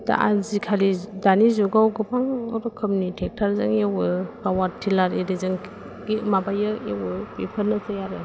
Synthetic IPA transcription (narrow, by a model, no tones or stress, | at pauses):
ta̰ʔazikʰalidanizuɡawɡɯpʰaŋɔɾɔkʰɯmnitʰek̚tʰaɾzaŋewɯpawatʰːilaɾedizaŋ | ɡimabajɯewɯpepʰəɾnɯtɐjaɾɯ